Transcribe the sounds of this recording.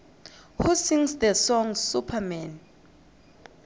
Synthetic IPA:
husĩŋsdəsɔ̃ŋsupʰamɛ̃n

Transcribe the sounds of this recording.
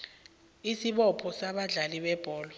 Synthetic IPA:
isiɓɔpʰɔsaɓaɮaliɓɛb̥ʱɔːlɔ

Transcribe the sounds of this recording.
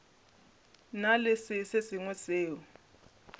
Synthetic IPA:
nalɪsiseziŋwɛz̥eːwɔ

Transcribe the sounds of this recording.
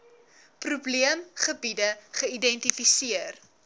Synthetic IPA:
prubliəmχəbidəχəidɛntifisiər

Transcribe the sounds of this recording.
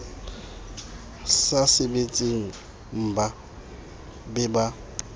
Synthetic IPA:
sasɪbet͡sʼiŋ̩ | m̩ba | bɪba

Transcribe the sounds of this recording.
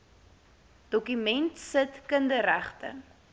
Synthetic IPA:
d̥ɔkymɛntsətkəndəɾæχtə̰

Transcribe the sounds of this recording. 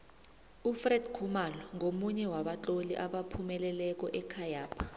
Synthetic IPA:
ufrɛdkʰumalɔŋomuɲɛwaɓat͡ɬʼolḭʔaɓapʰumɛlɛlɛk̬ʼɔʔɛkʰajaːpʰḁ

